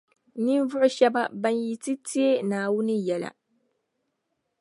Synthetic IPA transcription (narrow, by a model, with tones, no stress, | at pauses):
ni˦n˦vʊ˦ʔʊ˦ʃɛ˦ba˦ba˦nji˦ti˦ti˦e˦naː˨wʊ˦nɨ˦jɛ˨la̰˨